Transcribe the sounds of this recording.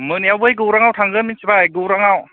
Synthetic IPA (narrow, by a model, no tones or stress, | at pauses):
mɯniawbɯjɡɯwɾaŋawtʰaŋɡɯminsibajɡɯɾaŋaw